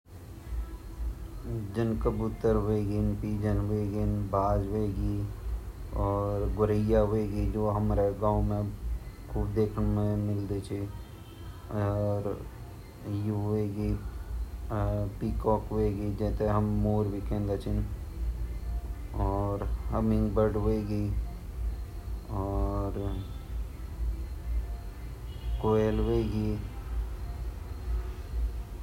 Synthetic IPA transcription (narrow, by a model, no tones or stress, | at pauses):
d͡ʒənkəbʊt̪ːəɾɦʊeɡinpiːd͡ʒənɦʊeɡinbʱaːd͡ʒɦʊeɡi | ɔːɾɡʊɾəɪjaɦʊeɡid͡ʒoːɦɐmɾeɡãːʊmẽ | kʰuːbd̪eːkʰnmẽmɪld̪it͡ʃʰi | ɾ | juɦʊeɡi | pikɔːkɦeɡid͡ʒɛːt̪eɦəmːoːɾbʱikɛ̃ːnd̪at͡ʃʰɪn | ɔːɾhɐmɪ̃ŋɡbəɖɦeɡi | ɔːɾ | koːelɦeɡi